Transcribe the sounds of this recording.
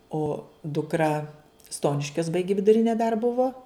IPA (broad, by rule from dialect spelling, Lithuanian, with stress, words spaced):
oː dʊkˈrɐ ˈstoːnʲɪʃʲkʲoːs ˈbɐɪɡʲɪ ʋʲɪdʊˈrʲɪnʲeː dɐr ˈbʊʋoː